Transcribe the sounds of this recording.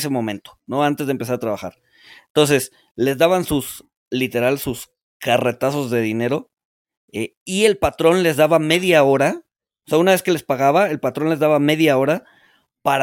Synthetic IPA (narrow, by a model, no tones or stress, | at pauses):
semõ̞mẽ̞nt̪o̥no̞ant̪e̞zðempe̞s̬aɾat̪ɾaβaxa̰ɾ | ent̪o̞ns̬e̞s | le̞zðaβansus | lit̪e̞ɾalesus | kare̞t̪aso̞zðe̞ðine̞ɾo̞ | e | ie̞lpat̪ɾo̞nle̞zðaβame̞ðjao̞ɾa | oseaunaβe̞ske̞le̞spaɣaβaelpat̪ɾo̞nle̞zðaβame̞ðjao̞ɾa | paɾ